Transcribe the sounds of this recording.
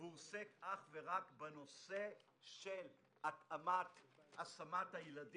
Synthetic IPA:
usekʔaχveʁakbeno̞se̞ | ʃel | at̪amat̪asamat̪hajelad

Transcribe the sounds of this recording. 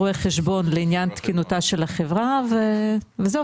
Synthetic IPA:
oeχeʃbo̞nleinjant̪kinutaʃe̞lhaχevʁaveveze

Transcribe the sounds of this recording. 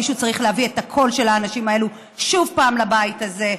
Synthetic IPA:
iʃut͡saʁiχleavietakʰo̞lʃe̞laːnaʃimae̞lu | ʃuvpaːmlabaitaze̞

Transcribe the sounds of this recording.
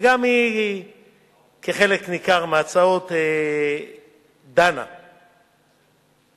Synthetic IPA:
ɡami | keχe̞leknikaʁmeat͡sao̞t̪e | d̪ana̰

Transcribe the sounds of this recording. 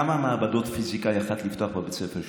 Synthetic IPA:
amamaːbad̪ot̪fizikʼajaχat̪ʰlift̪ʰʼoaχbabɛt͡sɛfɛʃ

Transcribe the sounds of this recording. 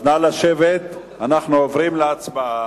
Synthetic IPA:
nalaʃevet̪ | anaχnuovʁimleat͡sba

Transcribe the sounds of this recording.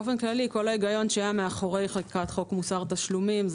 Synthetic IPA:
ofenklaliko̞laiɡajo̞nʃeajameaχoʁejχakikat̪χo̞kmusaʁt̪aʃlumimz

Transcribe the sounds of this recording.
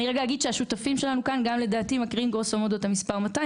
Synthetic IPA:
niʁeɡaaɡid̪ʃeaʃutafimʃe̞lanukanɡamle̞d̪aːtimakʁiimɡosomod̪otamispaʁmat̪a

